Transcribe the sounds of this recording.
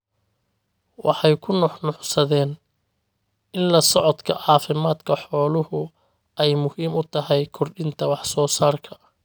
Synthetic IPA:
wɑħɑjkʰʊnɔħnʊħsɐðɛːn | ɪnlɐsɔʕɔd̪kʰɐ̰ʕɑːfɪmaːd̪kʰɐħɔːlʊhʊ | ɛjmʊhiːmʊt̪ʰɐɦɛjkʰɔrɖɪnt̪ʰɐwɑħsɔːsaːrkʰɐ̥

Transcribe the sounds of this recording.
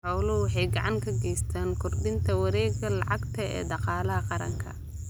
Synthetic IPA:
ħɔwlʊwɑħɑjɡɑʕɑŋkʰɐɡɛjst̪ʰaːnkʰʊrd̪ɪnt̪ʰɐwɑɾɛːɡɐlɑʕɑɡt̪ʰɐɛ̰ːd̪ɑqɑːlɐɦɐqɑɾɐ̰ŋkʰɐ̰

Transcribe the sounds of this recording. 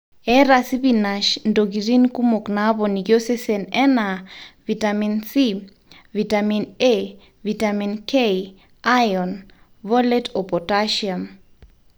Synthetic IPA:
ɛɾasiβinaʃndoɡiɾinkumoknaβɔniɡjosɛsɛnɛnavitaminsi | vitamine | vitaminkej | ajɔn | vɔlɛtɔpɔtaʃiam

